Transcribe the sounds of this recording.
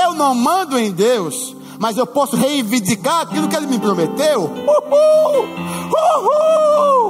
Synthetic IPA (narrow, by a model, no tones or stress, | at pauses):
ewnɐ̃w̃mɐ̃nd̪ʊẽj̃d̪ews | mɐzewpɔsʊɦeĩvĩd̪ikaɾakilʊkɪelɪmɪpɾomet̪ewuu | uu